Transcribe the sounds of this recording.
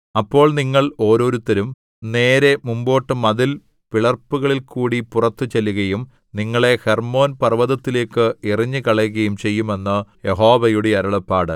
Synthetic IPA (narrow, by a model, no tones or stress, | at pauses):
ɐpːo̞ːɭniŋːɐɭo̞ːɾo̞ːɾut̪ːɐɾum | ne̞ːɾe̞mumbo̞ːʈːɨmɐðil | piɭɐrpːuɣɐɭilkuːɽipurɐt̪ːɨt͡ɕelːuɣɐjum | niŋːɐɭe̞hermo̞ːnpɐrʋɐðɐt̪ːile̞ːkːɨiriɲːɨkɐɭɐɣɐjumt͡ɕe̞jːume̞nːɨje̞ɦo̞ːʋɐjuɽeɐɾɐɭɐpːaːɽɨ